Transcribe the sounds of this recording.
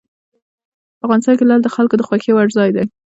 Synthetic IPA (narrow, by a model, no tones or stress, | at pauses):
avɣɑnɪst̪ɑnkelɑld̪əxalkod̪əxwaxewaɽzɑjd̪a